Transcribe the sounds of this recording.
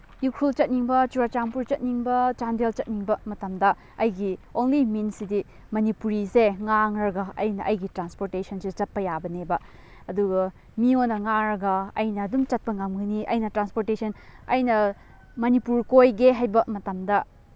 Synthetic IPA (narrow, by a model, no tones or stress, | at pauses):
jukʰult͡ʃɐt̚niŋbɐt͡ʃuɾat͡ʃaŋpuɾt͡ʃɐt̚niŋbɐt͡ʃandelt͡ʃɐt̚niŋbɐmɐtɐmdɐ | ɐjɡionliminsidi | mɐnipuɾiseŋaŋɾɐɡɐɐ̰jnɐʔɐjɡitɾanspoɾtesɐnsit͡ʃɐt̚pɐjabɐnebɐ | ɐduɡɐ | mionːɐŋaŋɾɐɡɐɐ̰jnɐːdumt͡ʃɐt̚pɐŋamɡɐniʔɐ̰jnɐtɾanspoɾtesʰɐnɐ̰jnɐ | mɐnipuɾkojɡeɦajbɐmɐtɐmdɐ